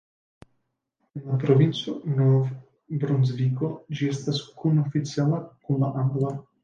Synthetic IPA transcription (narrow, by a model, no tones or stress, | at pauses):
enlapɾovint͡sonov | bɾonzvikod͡ʒiestaskunofit͡sialakunlaʔaŋɡla